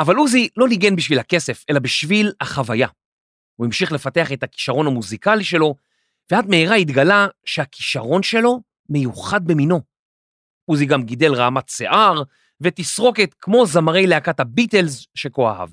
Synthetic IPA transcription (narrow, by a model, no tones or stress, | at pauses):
ʔavaluzilo̞niɡe̞nbiʃvilhake̞se̞fe̞labiʃvilaχavaja | uimʃiχle̞fateaχe̞taki̥ʃaʁo̞nhamuzikaliʃe̞lo̞ | veatmeiʁait̪ɡalaʃeaki̥ʃaʁo̞nʃe̞lo̞ | me̞juχad̪̚bemino̞ | uziɡamɡide̞lʁaːmatsḛʔaʁ | vet̪isʁo̞ketkmo̞zamaʁe̞jleakathabite̞lzʃe̞ko̞a̰ha̰v